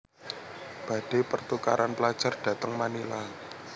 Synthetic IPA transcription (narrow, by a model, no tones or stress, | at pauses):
b̥ä̤d̥e̤pərt̪ukaɾanplad̥ʒ̥a̤rɖ̥ä̤t̪əŋmanila